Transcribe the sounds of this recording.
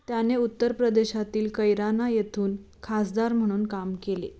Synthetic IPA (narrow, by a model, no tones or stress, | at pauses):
t̪janeut̪ːəɾpɾəd̪eɕat̪iːlkəjɾanajet̪ʰuːn | kʰasd̪aɾm̤əɽ̃uːnkamkelḛ